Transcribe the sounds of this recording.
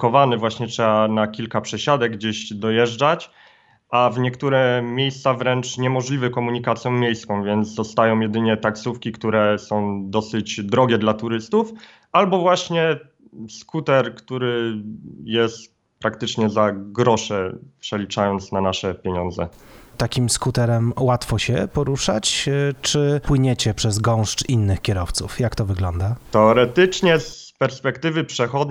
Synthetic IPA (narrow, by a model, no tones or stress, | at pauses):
kɔvanɘvwaɕɲɛtʂɛbanakʲilkapʂɛɕad̪ɛɡɡd͡ʑeʑd̪ɔjɛʐd͡ʐat͡ɕ | ʔavɲɛkt̪uɾɛmʲjejst̪savɾɛnt͡ʂɲɛmɔʐlʲivɘkɔmuɲikat̪sʲjɔ̃w̃mʲjejskɔ̃w̃vʲjɛnt̪zd̪ɔst̪ajɔ̃w̃jɛd̪ɘɲɛt̪aksufkʲikt̪uɾɛsɔ̃w̃d̪ɔsɘd͡ʑd̪ɾɔɡʲɛd̪lat̪uɾɘst̪uf | albɔvwaɕɲɛ | skut̪ɛɾkt̪uɾɘ | jɛst̪ | pɾakt̪ɘt͡ʂɲɛzaɡɾɔʂɛpʂɛlʲit͡ʂajɔnt̪snanaʂɛpʲjeɲɔnd̪zɛ̰t̪akʲimskut̪ɛɾɛmwat̪fɔɕɛpɔɾuʂa̰t͡ɕt͡ʂɘpwɘɲɛt͡ɕɛpʂɛzɡɔ̃w̃ʂt͡ʂinːɘxkʲɛɾɔft̪sufjakt̪ɔvɘɡlɔnd̪at̪ɛɔɾɛt̪ɘt͡ʂɲɛs | pɛɾspɛkt̪ɘvɘpʂɛxɔd̪